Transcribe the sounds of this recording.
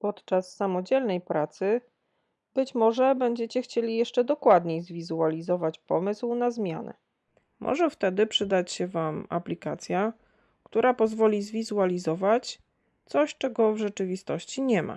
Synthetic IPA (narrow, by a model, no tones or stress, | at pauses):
pɔt̪t͡ʂasːamɔd͡ʑɛlnɛjpɾat̪sɘ | bɘt͡ɕmɔʐɛbɛɲd͡ʑet͡ɕɛxt͡ɕelʲijɛʂt͡ʂɛd̪ɔkwad̪ɲejzvʲizualʲizɔvat͡ɕpɔmɘswnazmʲja̰nɛ̰ | mʔɔ̰ʐɛft̪ɛd̪ɘpʂɘd̪at͡ɕɕɛvama̰plʲikat̪sʲja | kt̪uɾapɔzvɔlʲizvʲizualʲizɔvat͡ɕ | t̪sɔɕt͡ʂɛɡɔvʐɛt͡ʂɘvʲist̪ɔɕt͡ɕiɲɛmʔa̰